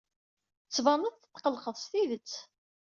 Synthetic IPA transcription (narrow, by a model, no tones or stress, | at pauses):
t͡sːvɑnəðθə̥t̪ːqəlqəðˤst̪iðət͡sː